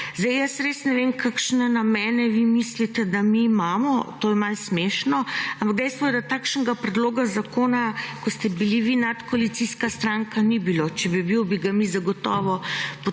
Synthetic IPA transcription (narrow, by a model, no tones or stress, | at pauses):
zd̪jjəsɾesnɛʋemkakʃnɛnamɛːnɛʋimislit̪ɛd̪amiːmamɔt̪oːjɛmalsmeʃnɔampaɡ̚d̪ɛjst̪ʋɔjɛd̪at̪aːkʃnɛɡapɾɛd̪loːɡazakoːnakɔst̪ɛbiliʋinat̪koalit̪siskast̪ɾaŋkanibilot͡ʃɛbibiwbiɡamizaɡɔt̪ɔːʋɔpo